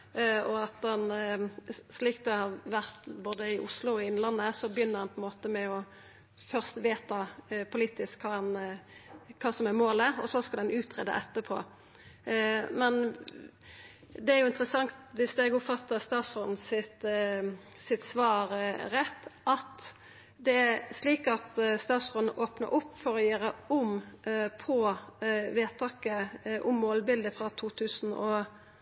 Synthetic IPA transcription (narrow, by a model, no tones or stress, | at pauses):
ɔɑt̪dɑn | sliːk̚t̪̚d̪ɛhɑʁʋæʁt̪boːd̪əɪʔʊslʊɔɪnlɑnːəsɔbjʏnːəʁhɑnpʰɔɛnmoːt̪əmɛɔ | fœʁst̪ʋeːt̪ɑpʰʊliːt̪ɪskʰkɑːɑn | kʰɑːsɔmæmoːləɾɔ̰sɔskɑld̪ɛnʔʉːt̪ʰʁɛ̰ːd̪ə̰ʔɛt̪ːəpʰo̰ː | mɛn | d̪ɛæɾjʊɪnt̪ɾəsɑŋt̪ʋɪsd̪eːɡʊpfɑt̪ːəst̪ɑːt̪sʁɔnn̩sɪt̪ | sɪt̪sʋɑːɾɾɛt̪ːʔɑt̪ | d̪ɛæsliːkɑt̪st̪ɑːt̪sʁɔnʔoːpnə̰ɾʔʊpːfɔɾɔjøːɾəʊmpʰɔ | ʋeːt̪ʰɑːkəʔʊmːoːlbɪld̪əfɾɑt̪ʰuːt̪ʰʉːsn̩ɔ